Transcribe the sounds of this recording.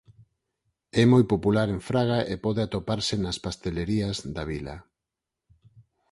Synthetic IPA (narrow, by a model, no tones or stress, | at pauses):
ɛmojpopulaɾeɱfɾaɣ̞aʔepɔðeat̪opaɾsenaspast̪eleɾiazðaβila̰